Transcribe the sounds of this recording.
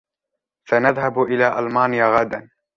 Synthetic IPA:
fanaðhabʔɪlaːʔalmaːnɪjaɣad̪an

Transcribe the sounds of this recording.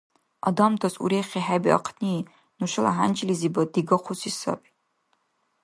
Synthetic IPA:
a̰damtʰasṵɾejχʲiħabiʔa̰qʰniː | nuʃʷɨla̰ɦant͡ʃʰʼilizibadiɡaqʷusisa̰pʼi̥

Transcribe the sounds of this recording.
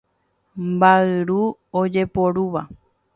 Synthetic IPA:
mbaɨɾuod͡ʒe̞po̞ɾuʋa

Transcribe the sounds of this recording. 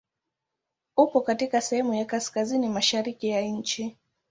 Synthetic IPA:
upɔkatikasɛhɛmujakaskazinimaʃaɾikijaɲ̩t͡ʃi

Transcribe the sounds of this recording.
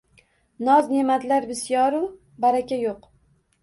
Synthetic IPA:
nɒznemat̪laɾbɪsjɒɾʊ | baɾakʲajoq

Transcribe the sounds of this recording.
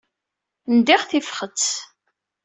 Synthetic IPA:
nd̪iʁθifχət͡sː

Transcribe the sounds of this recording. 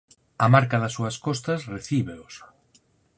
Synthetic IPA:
ɐmaɾkɐðɐsːuɐskɔst̪ɐsreθiβeʊs

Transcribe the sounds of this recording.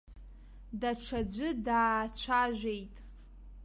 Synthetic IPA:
daʈ͡ʂʰad͡ʑʷɨdaːt͡ɕʷʰaʒᶣʷejtʼ

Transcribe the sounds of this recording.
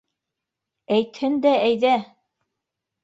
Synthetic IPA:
æjt̪hɘnd̪ææjðæ

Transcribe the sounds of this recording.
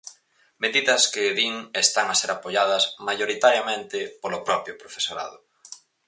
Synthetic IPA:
meðiðɐskɪðiŋest̪aŋaseɾapoʎað̞ɐsmajoɾit̪aɾjamẽnt̪ɪpolʊpɾɔpɾjʊpɾofesoɾa̰ðʊ

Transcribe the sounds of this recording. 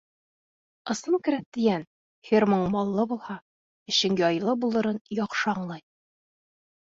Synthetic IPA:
ɤ̆sˠɤmkɘ̆ɾæt̪̚t̪ɘ̆jæn | hʲirmoɴmɒlˠːɤbulˠhɑ | ɘ̆ɕɘŋjɒjlˠɤbulˠɤ̆ɾɤnjɒqʃɤɑɴlˠɑj

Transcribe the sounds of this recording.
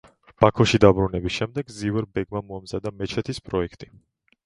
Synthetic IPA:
b̥akʰɔʃid̪abɾunɛbisʃɛmd̪ɛɡzivɛɾbɛɡmamɔamzad̪amɛt͡ʃʰɛt̪ʰispʼɾɔɛkʰt̪ʼi

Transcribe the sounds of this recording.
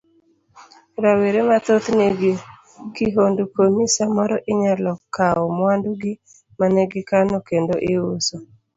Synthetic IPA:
ɾaweɾemat̪ot̪neɡi | kiɦondukonisamɔɾɔʔɪɲalɔkːaɔmwanduɡi | manɛɡɪkanɔkendoʔɪʊso

